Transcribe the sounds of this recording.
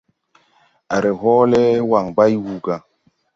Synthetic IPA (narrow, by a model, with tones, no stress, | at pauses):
a˨ɾe˨ɦɔ˦lɛ˦wa˨ŋba˦jwu˨ɡa˨